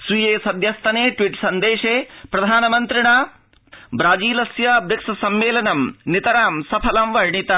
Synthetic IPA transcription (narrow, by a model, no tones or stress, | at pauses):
sujeːsɐd̪ʱjɐst̪ʰɐneːʈʋiʈsɐnd̪eːʂeːpɾɐd̪ʱaːnɐmɐnt̪ɾiɳaː | bɾaːd͡ʒiːlɐsjabɾɐksɐsɐmːeːlɐnɐmnit̪ɐɾaːmsɐpʰɐlɐmʋɐɾɳit̪ɐ